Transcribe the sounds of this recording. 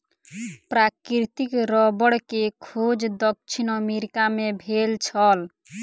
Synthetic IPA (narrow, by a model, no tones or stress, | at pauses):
pɾakɾit̪ikɾɔbəɽkekʰod͡ʒd̪ɔk̚t͡ʃʰinɔmeɾikamebʱelt͡ʃʰɔl